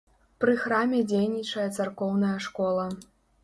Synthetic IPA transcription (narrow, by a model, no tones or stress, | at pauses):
pɾɨxɾamʲɛd͡zʲejnʲit͡ʂɐjɐt̪sarkɔwnɐjɐʂkɔlˠɐ